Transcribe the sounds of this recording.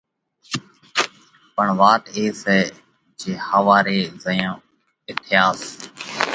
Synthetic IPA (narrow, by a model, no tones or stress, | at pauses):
pəɳʋaːʈ̪eːsɛː | d͡ʒeːhəʋaːɾeːzəjõː | ɪt̪ʰɪjaːs